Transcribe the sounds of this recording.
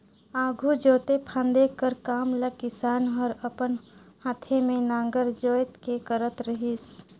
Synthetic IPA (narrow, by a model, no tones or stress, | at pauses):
aːɡʱud͡ʒoːt̪epʰãnd̪ekəɾkaːmləkɪsaːnɦɔɾəpənhãːt̪ʰemẽnãːŋɡəɾd͡ʒoːjt̪kekəɾət̪ɾəɦis